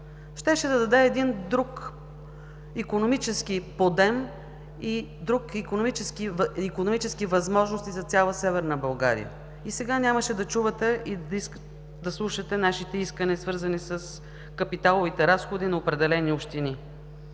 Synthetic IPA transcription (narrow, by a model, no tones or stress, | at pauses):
ʃt̪ɛʃɛd̪ɐd̪ɐd̪ɛːd̪ind̪ɾuk | ikonomit͡ʃɛsk̟ipod̪ɛm | id̪ɾukikonomit͡ʃɛskivikonomit͡ʃɛskivɐzmɔʒnost̪izɐt̪sʲalˠəsɛvɛɾnəbɐlˠɡa̰ɾḭjə̰ | isɛɡanʲaməʃɛd̪ɐt͡ʃuvət̪ɛʔii | d̪ɐslˠuʃɐt̪ɛnaʃit̪ɛiskəniəsvɤɾzənisəs | kɐpit̪alˠovit̪ɛɾasxod̪inɐopɾɛd̪ɛlɛniopʃt̪ini